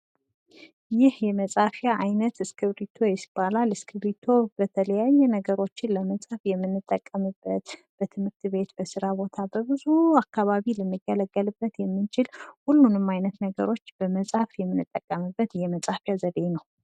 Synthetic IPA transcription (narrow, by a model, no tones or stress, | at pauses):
jɪhjɛməsʼafjaʔajnət̪ɨskʰɨβɾit̪ʰo̞jɛsɨ̥b̥alalɨskʰɨβɾit̪ʰo̞bət̪ʰələjajːɛnəɡəɾo̞t͡ʃːɪnləməsʼafjɛmːɨnːɨt̪ʼːəkʼːəmɨbːət̪ | b̥ət̪ʰɨmhɨɾt̪ʰβe̞t̪bəsɨɾabo̞t̪ʰabəβɨzuakːaβaβilɨnːɨɡələɡːəlɨbːət̪jɛmːɨnt͡ʃʰɪlhulːunɨmːajnət̪nəɡə̰ɾo̞t͡ʃːb̥əməsʼafjɛmːɨnɨt̪ʼːəkʼːəmɨbːət̪jɛməsʼafjazəd̪enəw